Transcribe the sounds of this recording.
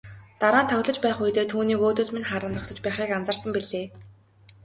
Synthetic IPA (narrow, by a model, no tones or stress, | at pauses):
t̪aɾaːnt̪ʰœɣʲɮɞ̆t͡ɕpæːχujt̪eːt̪ʰuːniːkoːt̪ɵ̆ɮmenχaɾə̆nt̪rə̆ksə̆t͡ɕpæːχiːkant͡sə̆rsə̆mpiɮeː